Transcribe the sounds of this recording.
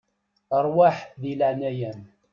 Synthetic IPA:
əɾˤwaħðilaʕnæjæm

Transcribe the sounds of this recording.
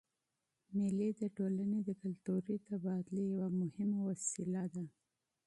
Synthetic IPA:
mɪlid̪əʈolaned̪əkalt̪uɾit̪abɑd̪lejawamʊhɪmawasilad̪a

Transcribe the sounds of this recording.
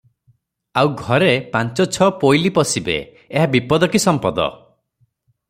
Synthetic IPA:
awɡʱɔɾepant͡ʃɔt͡ʃʰɔpojlipɔsibḛː | ɦabipɔd̪ɔkisɔmpɔd̪ɔ̰

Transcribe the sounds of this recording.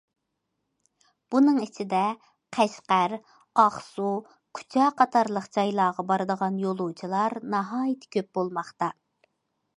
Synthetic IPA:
b̥unɨŋet͡ʃʰɪd̪ɛ | qʰæʃqæɾ | ɑχsu | kʲʰy̥t͡ʃʰɛːqʰɑt̪ʰɑɾlˠəqd͡ʒɑjlˠɑːʁɑbɑɾɨd̪əʁɑnjolˠut͡ʃʰilˠɑɾnɑɦɑːjɪt̪ʰːɪ̥kʲʰøp̚b̥olˠmɑχt̪ɑ

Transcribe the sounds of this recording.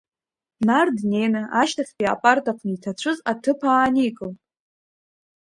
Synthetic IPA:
nardnenɨʔaʃtʰaspʼia̰pʼartʰʼaqʷʰnitʰat͡ɕʷʰɨzatʰɨpʰaːnikʼɨltʼ

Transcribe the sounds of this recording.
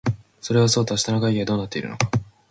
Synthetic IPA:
so̞ɾe̞βaso̞ːt̪oɕi̥t̪anaɡaiɡed̪o̞ːnat̪ːe̞iɾɯ̟̰no̞kḁ

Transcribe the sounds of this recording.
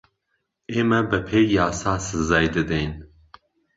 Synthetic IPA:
eːmɛbɨpʰeːjjaːsaːsɨzɛjd̪ɨd̪ɛjn

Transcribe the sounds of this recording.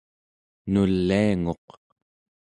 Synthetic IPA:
nulːiaŋoq

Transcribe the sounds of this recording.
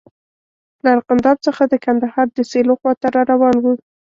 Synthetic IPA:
laaɾqand̪ɑb̚t͡səxad̪əkand̪ahɑɾd̪əseloxwɑt̪aɾɑɾawɑnwu

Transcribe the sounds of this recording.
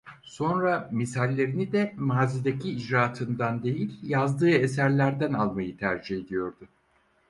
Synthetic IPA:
so̞nɾamisalʲːe̞ɾinid̪ɛmaːzid̪ecʰiːd͡ʒɾaːt̪ʰɯnd̪and̪e̞jilʲjazd̪ɯːe̞s̬æɾlʲæɾd̪ænalˠmajɯt̪ʰæɾd͡ʒihe̞d̪ijo̞ɾd̪ʊ

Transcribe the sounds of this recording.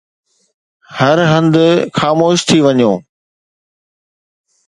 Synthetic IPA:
hɐɾɦɐ̃nd̪ʊxaːmoːʃt̪ʰiʋɐɲjoː

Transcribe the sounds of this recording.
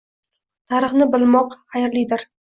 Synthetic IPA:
t̪ʰaɾɨχnɪbɪlˠmɒqχajɾlijd̪ɪɾ

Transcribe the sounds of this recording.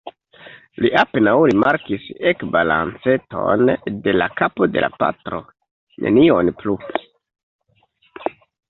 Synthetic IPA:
liʔapenawɾimaɾkisekbala̰nt͡se̞to̞̰nde̞lakapo̞de̞̰la̰pa̰tɾo̞ | nʔe̞̰nionplu

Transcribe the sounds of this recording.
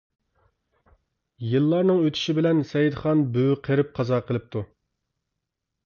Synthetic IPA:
jɨlˠːɑɾnɨŋøt̪ʰy̥ʃibɪlɛnsɛjid̪χɑnbøwqʰəɾɪp̚qʰɑzɑːqʰəlˠɪp̚t̪ʰu

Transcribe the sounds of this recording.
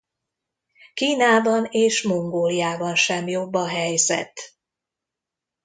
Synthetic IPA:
kiːnaːbɒneːʃmo̞ŋɡoːlijaːbɒnʃɛmjo̞bːɒɦɛjzɛ̰t̪

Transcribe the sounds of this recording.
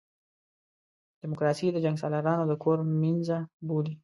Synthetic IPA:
d̪̥ɪmokɾɑsid̪əd͡ʒaŋɡsɑlaɾɑnod̪əkʰoɾminzaboli

